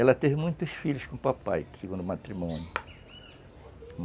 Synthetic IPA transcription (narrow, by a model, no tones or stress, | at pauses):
ɛlɐt̪evɪmũj̃t̪ɐsfiʎʊskõpapa̰jseɡũnd̪ʊmat̪ɾimõnjʊ | m